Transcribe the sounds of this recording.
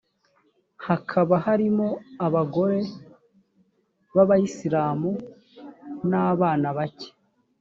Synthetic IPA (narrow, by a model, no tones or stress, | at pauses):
hakʰaβahaɾimo̞aβaɡo̞ɾe̞ | βaβajisiɾaːmu | naːβaːnaβace̥